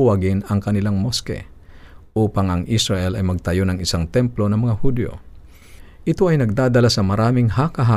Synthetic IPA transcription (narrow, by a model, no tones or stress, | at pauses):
wɐɡɪnɐŋkɐnɪlaŋmoskɛ̰ | ʔuːpɐŋʔɐŋʔisɾɐʔɛlɐjmɐɡ̚t̪ɐjo̞nɐŋɪsaŋt̪ɛmplo̞nɐmɐŋahud̪jo̰ | ʔɪt̪o̞ʔɐjnɐɡ̚d̪aːd̪ɐlasɐmɐɾaːmɪŋhakɐɦa